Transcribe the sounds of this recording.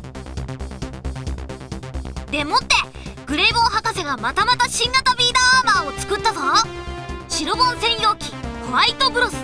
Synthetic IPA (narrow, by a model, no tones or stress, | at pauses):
d̪e̞mo̞t̪ːe̞ | ɡ̥ɯ̟ɾe̞ːβo̞ːɦakase̞ɡamat̪amat̪aɕĩŋɡat̪abʲiːd̪aaːmaːo̞t͡sɨ̥kɯ̟t̪ːaza | ɕiɾobõ̞nzẽ̞ɰ̃jo̞ːkʲi̥koβait̪o̞bɯ̟ɾosɨ̥